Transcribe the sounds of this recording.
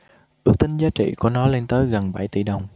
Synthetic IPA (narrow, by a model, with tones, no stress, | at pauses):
ʔɨ˦˥ək̚t̪ï˨˦ŋ̟zaː˨˦˥t͡ɕḭ˧˨ku˧˩nɔ˨˦le˧nt̪əː˨˦jɣə˨˩nɓa˧˩jt̪i˧˩ɗə˨˩wŋ͡m